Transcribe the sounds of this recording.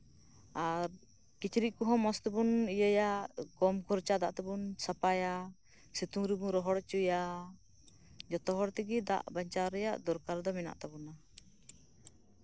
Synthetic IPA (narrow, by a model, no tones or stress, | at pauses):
aɾ | kit͡ʃɾiʔkuɦɔ̃mɔst̪ɛbunijəjaʔɡɔmkʰɔɾt͡ʃad̪aʔt̪ɛbunsapaja | sit̪uŋɾibuɾɔɦɔɽt͡ʃuja | d͡ʒɔt̪ɔɦɔɽt̪iɡid̪a̰ʔbaɲt͡ʃaɾɛja̰ʔd̪ɔɾkaɾd̪ɔmɛna̰ʔt̪abuna